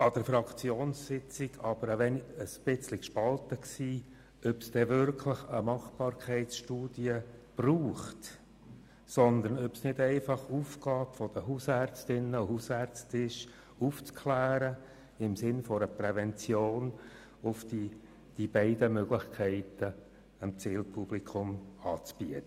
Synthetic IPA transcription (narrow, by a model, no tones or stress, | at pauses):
ɑd̪̥əɾfɾɑkʰt͡sjoːnssɪt͡sɪɡɑb̥əɾəʋɛnəsb̥ɪt͡slikʃpɑlt̪əksiː | œpsd̥ɛʋʏɾkʰləχəmɑχb̥ɑːɾkʰɛɪtsʃtuːd̥̪iəb̥ruːχt | sɔnd̪əɾnœpsnɪd̪ɛɪfɑχuːfɡ̥ɑːpfɔd̥̪əɦuːsæɾt͡stɪnːəohuːsæɾt͡stɪʃ | uft͡skʰlæːɾə | ɪmsɪnfɔɾəpɾɛvɛnt͡sjoːn | ʊfd̪i | d̥ib̥ɛɪd̥əmœɡlɪχkʰɛɪt̪ə | əmt͡siːlpʰub̥likʰʊmɑːt͡sb̥iət̪ə